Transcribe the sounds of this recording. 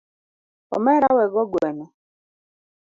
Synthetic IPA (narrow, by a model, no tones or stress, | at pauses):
ɔ̰mɛɾawɛɡɔɡwɛnɛ